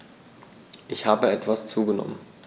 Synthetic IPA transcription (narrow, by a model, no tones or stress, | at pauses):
ʔɪçhaːbəɛtv̥ast͡suːɡənɔ̰mən